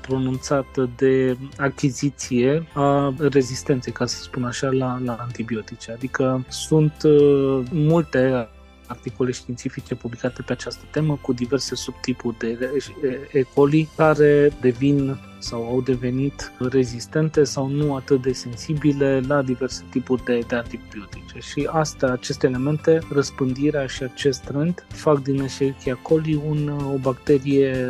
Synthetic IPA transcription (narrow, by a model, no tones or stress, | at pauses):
pɾo̞nunt̪sat̪əd̪e̞akʲizit̪sije̞are̞zist̪e̞nt̪sejkasə̥spunaʃalalaːnt̪ibio̞t̪it͡ʃead̪ikəsunt̪ | mult̪e̞ | art̪iko̞le̞ʃt̪int̪sifit͡ʃe̞publikat̪e̞peat͡ʃast̪ə̥t̪e̞məkud̪ive̞rse̞sub̚t̪ipurʲd̪e̞eeko̞likaɾe̞d̪e̞vin | sawawd̪e̞ve̞nit̪re̞zist̪e̞nt̪e̞sawnuat̪ɨt̪̚d̪e̞se̞nsibile̞lad̪ive̞rse̞̥t̪ipurʲd̪e̞d̪eant̪ipbio̞t̪it͡ʃe̞ʃiast̪eaːt͡ʃe̞st̪eːle̞me̞nt̪e̞rəspɨnd̪iɾeaʃiat͡ʃe̞st̪t̪ɾend̪fakd̪ineʃekiako̞liuno̞bakt̪e̞ɾije